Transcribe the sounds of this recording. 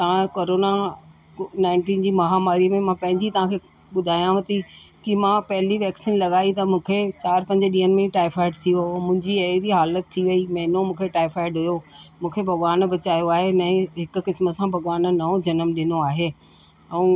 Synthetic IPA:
t̪ɐʋ̤ãkoːɾoːna | naːɪ̃ɳʈĩːnd͡ʑiːmɐɦaːmaːɾimẽmãpɐ̃ɦɪ̃ɲd͡ʑit̪ɐʋ̤ãkʰe | ɓʊd̪ʱaːjãʋɐt̪ikimãːpɐɦɪliʋɛːksɪnlɐɠaːit̪ɐmũːkʰet͡ɕaːɾpɐ̃ɲd͡ʑɗiːənmɪ̃ʈaːɪfʰaːɪɖt̪ʰiomʊ̃ɦɪ̃ɲd͡ʑiɐɾiɦaːlət̪ʰːiʋɐimɐɦɪnomũːkʰeʈaːɪfaːɪɖɦʊjomũːkʰebʱɐɣʋaːnbɐt͡ɕaːjoaːɦenɐ̃ɦɪkʊ̆kɪsmə̆sãbʱɐɠʋaːnnɐõd͡ʑɐnəmɗɪnoaːɦeː | ɛ̃ː

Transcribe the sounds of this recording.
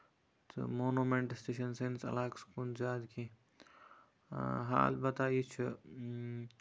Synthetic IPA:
t̪ʰɨ̰moːnumeɳʈsʈeːʃɐnsensɐ̰laːkskuːnzjaːd̪kʰi | ɦa̰ːlbɐt̪aːjit͡ʃʰu

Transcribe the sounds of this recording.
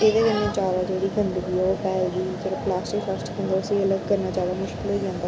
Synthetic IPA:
eːd̪ekə̃ndãːt͡ʃaːʋaːd͡ʒeːɽiːɡə̃nd̪b̪iːopɛːld̪iːd͡ʒəɽoplaːsʈɪkfəsʈkːə̃nd̪aːʊsiələɡ̚kəɾnaːt͡ʃaːʋaːmʊʃkɪlɦoiãːnd̪aː

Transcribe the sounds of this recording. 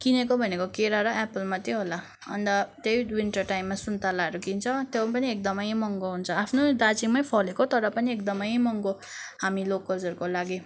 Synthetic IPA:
kinekobʱʌnekokeɾaɾʌʔepʌlmat̪joɦola | ʌ̰nd̪ʌt̪ejwinʈʌrʈaimːasunt̪alaeɾukint͡sʰʌt̪jopʌniekd̪ʌmʌjmʌŋɡoɦunt͡sʰʌapʰnod̪at͡siŋmʌjpʰʌlekot̪ʌɾʌpʌniekd̪ʌmʌjmʌŋɡo | ɦamilokːʌld͡zʌrɾkolaɡi

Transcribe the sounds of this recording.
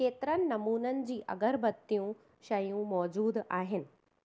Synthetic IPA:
keːt̪ɪɾənɪ̆nɐmuːnənɪ̆d͡ʑiːʔɐ̰ɡəɾbɐt̪ːijũ | ʃɐjũmɔːd͡ʑuːd̪aːɦɪnɪ̆

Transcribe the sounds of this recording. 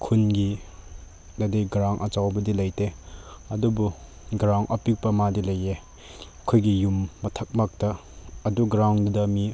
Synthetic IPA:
kʰunɡi | nɐdejɡɾaŋʔɐt͡ʃawbɐdilɐjteɐdubu | ɡɾawŋʔɐpik̚pɐmadilɐje | kʰojɡijumːɐtʰɐk̚mak̚tɐː | duɡɾawndɐmi

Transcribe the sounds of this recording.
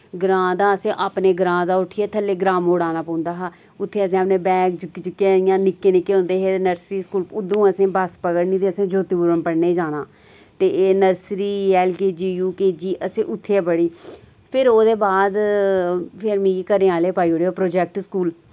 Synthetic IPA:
ɡɾãːd̪aːəsẽːʔaːpneːɡɾãːd̪aːʊʈʰiːɛːt̪ʰəlːeːɡɾaːmoːɽaːnaːpə̃ːʊ̃nd̪aːɦaː | ʊt̪ʰːeːəsẽːaːpnẽːbɛ̃ːkd͡ʒkd͡ʒɪkːeɪjãːnɪkːeːnɪkːeːɦʊ̃nd̪eːɦeːnəɾsɾiːskuːlʊd̪ũːəsẽːbəspəɡəɽnĩːt̪eːəsẽːd͡ʒoːt̪iːbuɾəmpəɽneːd͡ʒaːnaː | t̪eːnəɾsɾiːɛːlkeːd͡ʒiːjuːkeːd͡ʒiːʔəsẽːʔʊt̪ʰːeːɛːbəɽiː | pʰɪɾoːd̪eːbaːd̪ | pʰɪɾmĩːikəɾẽːaːleːpaːiːoːɽeːoːpɾoːd͡ʒɛːk̚ʈskuːl

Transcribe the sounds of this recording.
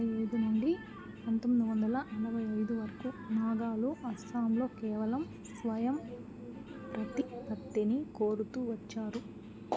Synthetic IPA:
jɐjd̪unuɳɖi | ɐnt̪ɐmːɐd̪iʋɐnd̪ɐlɐʔɐɾɐbʱɐjɐjd̪uʋɐɾɐkunaːɡaːluʔɐst̪ʰaːmlo̞ːkɛːʋɐlɐm | sʋɐjɐm | pɾɐt̪ipɐt̪ːinikoːɾut̪uʋɐt͡ʃːaːɾu

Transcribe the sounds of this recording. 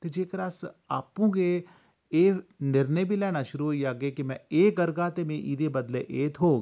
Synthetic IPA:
t̪ed͡ʒeːkɾaːsaːpũɡe | eːnɪɾnəjbʱilɛːnaʃʊɾuɦoijaːɡekimɛ̃eːkɐɾɡaːt̪emẽʔiːɾebɐd̪leʔeːt̪ʰɦoːɡ

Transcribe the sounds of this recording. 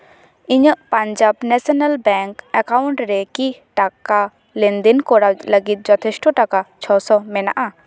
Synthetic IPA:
iɲəʔpãɲd͡ʒabnɛsɔnalbɛŋkɛkawɳʈɾɛkiʈaka | lɛnd̪inkɔɽawtləɡit̪̚d͡ʒɔt̪ʰɛsʈɔʈakat͡ʃʰɔsɔmɛna̰ʔa

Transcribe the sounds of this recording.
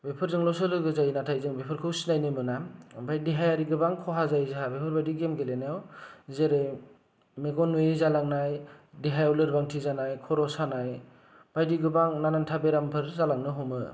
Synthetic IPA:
bepʰɯɾzɯŋlɔsɯlɯɡɯzajinatʰajzɯŋbepʰɯɾkʰɯwsinajnɯmɯnabajdiɦajaɾiɡɯbaŋkʰɔɦazajzeɦabepʰɯɾbajdiɡemɡelenajawzeɾej | meɡɔnuezalaŋnajdiɦajɔlɯɾbaŋtʰizanajkʰɔɾɔsanaj | b̥ajdiɡɯbaŋnanantʰabeɾampʰɯɾzalaŋnɯɦɔmɯ

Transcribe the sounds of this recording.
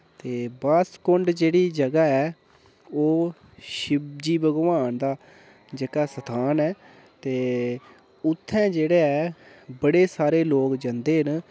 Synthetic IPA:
t̪eːbaːskʊɳɖd͡ʒeːɽiːd͡ʒəɡaːɛː | oː | ʃɪbd͡ʒiːbəɡʋaːnd̪aː | d͡ʒekaːsət̪ʰaːnɛː | t̪eː | ʊt̪ʰːɛ̃ːd͡ʒeːɽeːɛːbəɽeːsaːɾeːloːkd͡ʒãːnd̪eːɦən

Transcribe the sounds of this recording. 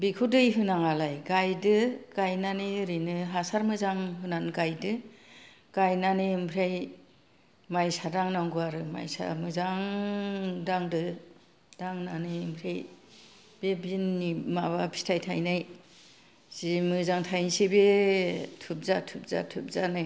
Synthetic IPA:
bikʰudɯjɦɯnaŋalajɡajdɯɡ̥ajnaniɾinɯɦasaɾmɯzaŋɦɯnanɡajdɯ | ɡ̥ajnanempʰɾej | majsadaŋnaŋɡɯaɾɯma̰jsa̰mɯzaŋ | daŋdɯ | d̥aŋnanɯmpʰɾej | b̥ebinːimaβapʰi̥stʰajtʰajnaj | z̥imɯzaŋtʰajnsibe | tʰup̚zatʰup̚za̰tʰɯp̚zanɯj

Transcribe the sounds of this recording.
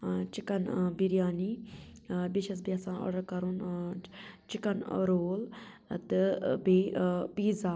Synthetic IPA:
t͡ʃikɐnbiɾjaːni | biʃɐs̬bjasãːʔɔ̰ɽɐɾkɐɾun | t͡ʃikɐnɾoːl | t̪ɨbepiːza

